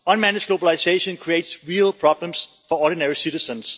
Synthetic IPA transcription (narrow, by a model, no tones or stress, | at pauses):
ɔ̃nmænɪd͡ʒɡlobəlaɪseɪʃə̃nkʰɹieɪtsɹiəlˠpʰɹ̥ɑblə̃ms | fɔɔːɾɪnɛɹisɪɾɪsə̃ns